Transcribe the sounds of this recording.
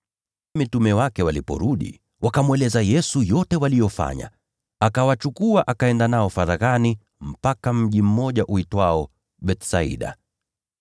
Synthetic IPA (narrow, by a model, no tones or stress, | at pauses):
mitumɛwakɛwalipɔ̰ɾuɗḭ | wakamwɛlɛzajɛsujɔtɛwalijɔfa̰ɲa̰ | akawat͡ʃukuaʔakaɛndanaɔfaɾaɣani | m̩pakam̩ʄim̩mɔʄaʔuitwaɔ | ɓɛtsaḭɗa̰